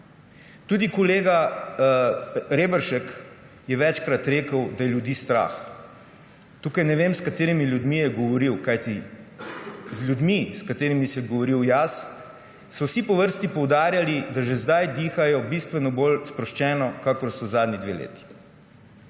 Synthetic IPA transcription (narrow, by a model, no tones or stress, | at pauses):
t̪ud̪ikɔleːɡa | ɾeːbəɾʃɛk | jɛʋɛt͡ʃkɾat̪ɾeːkəwd̪ajɛljud̪iːst̪ɾa̰x | t̪uːkajnɛʋemskat̪eːɾimilʲjud̪mijɛɡɔʋɔɾiwkajt̪i | zlʲjud̪miskat̪eːɾimisɛjɛɡɔʋɔɾiwjas | sɔwsipɔʋəɾst̪ipɔwd̪aːɾjalid̪aʒɛzd̪ajd̪iːxajɔbist̪ʋɛnɔbolspɾɔʃt͡ʃɛːnɔkakɔɾsɔwzaːd̪nʲid̪ʋḛːlḛːt̪i̥